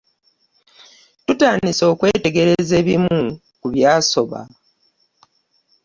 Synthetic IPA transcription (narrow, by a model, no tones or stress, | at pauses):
tutaːniso̞ːkwe̞ːte̞ɡe̞ɾe̞ze̞ːβimu | kuβjaːso̞βa̰